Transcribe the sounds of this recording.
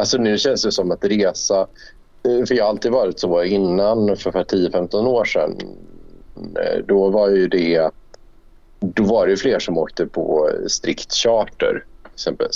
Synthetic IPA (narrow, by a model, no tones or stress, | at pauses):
alsɔnʉ̟ːɕɛnsd̪ɛsɔmːat̪ɾeːsa | fœɾjɑːhaalt̪iːd̪əvɑːɾɪt̪sɔɪnːanfœɾfaʈʰiːəfɛmt̪ɔnoːʂɛ̰n | d̪ɔvaɾjɵd̪ɛ | d̪ɔvaɖɛjfleːʂɔmoːk̚t̪əpʰɔ̰st̪ɾɪkt̪ɕɑːʈə̰ɾsɛmpə̰s